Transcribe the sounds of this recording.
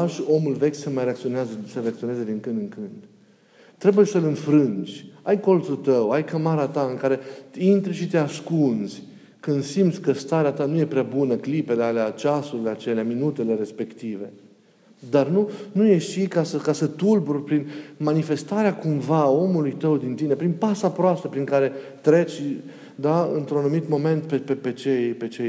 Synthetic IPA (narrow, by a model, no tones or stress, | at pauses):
ʃo̞mulve̞kʲsəmajɾeak̚t̪sioneazəsəɾeakt̪sionezed̪iŋkɨnd̪ɨŋkɨnd̪ | t̪ːɾe̞bujesəlɨnfɾɨnd͡ʒʲajko̞lt̪sut̪əwajkəmaɾat̪aɨŋkaɾe̞int̪ɾʃit̪easkunz̥ʲ | kɨnd̪simt̪sʲkəst̪aɾeat̪anuje̞pɾeabunəklipe̞lealeat͡ʃasuɾileat͡ʃe̞leaminut̪e̞le̞ɾe̞spe̞kt̪ive̞ | d̪arnunuje̞ʃikasəkasət̪ulburʲpɾinmanife̞st̪aɾeakumvao̞mulujt̪əwd̪int̪ine̞pɾinpasapɾoast̪əpɾiŋkaɾe̞t̪ɾe̞t͡ʃʲ | d̪aɨ̰nt̪ɾunanumit̪mo̞me̞nt̪pepepe̞t͡ʃejpe̞t͡ʃej